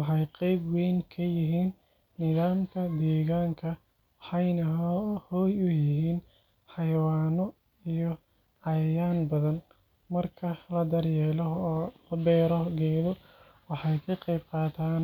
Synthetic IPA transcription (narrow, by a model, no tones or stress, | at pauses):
wɑħɑjqɛjbwɛjnkʰɐjɪɦiːnː | ɪðaːmkʰɐd̪ɛːɣaːŋkʰɐ | ħɑjnɐhɔːjʊjɪɦiːn | ħɑjɐwaːnɔ | ijɔ | ʕɑjjaːnbɐðɐn | mɐrkʰɐlɐd̪ɐrjɛːlɔɦːlɐbɛːɾɔɡɛːðɔ | wɑħɑjkʰɐqɛjbqɑːt̪ʰaːn